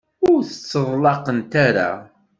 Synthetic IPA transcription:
ʊɾθət͡sːəðˤlɑqənt̪aɾa̰

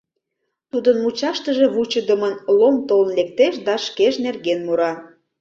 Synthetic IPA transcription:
t̪ud̪ənmut͡ɕɑʃt̪əʒe̽βut͡ɕəd̪əmənlomt̪olnlek̚t̪eʃd̪ɑʃkeʃnerɣenmuɾɑ

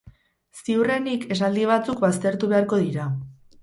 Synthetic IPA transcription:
siure̞nike̞s̬ald̪iβ̞at͡sukβast̪e̞ɾt̪uβe̞aɾko̞ðiɾa

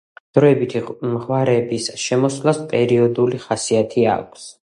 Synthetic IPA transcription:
d̪̥ɾɔɛbit̪ʰimʁwaɾɛbisʃɛmɔslaspʼɛɾiɔd̪uliχasiat̪ʰia̰kʷʰs

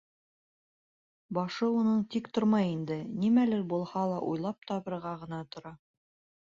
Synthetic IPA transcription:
bɑʃɤunɤɴt̪ikt̪oɾmɑjind̪ɘnimælɘɾbulˠhɑlˠɑʔṵjlˠɑp̚t̪ɑβɤ̆ɾʁɑʁɤ̆nɑt̪ŏɾɑ

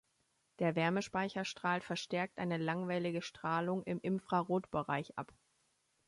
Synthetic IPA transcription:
d̥eːɐvɛɐməʃpaɪçɐʃtʁ̥aːltfɛɐʃtɛɐk̚tʔaɪnəlaŋvaɪlɪɡəʃtʁ̥aːlʊŋɪmʔɪmfʁ̥aʁoːtb̥əʁaɪçʔa̰p

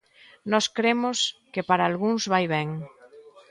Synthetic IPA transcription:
nɔskɾemoskepaɾaːlɣuŋzβajβɛŋ

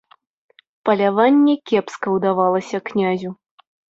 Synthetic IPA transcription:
pɐlʲavanʲːɛkʲɛpskɐwd̪avalˠɐsʲɐknʲazʲu

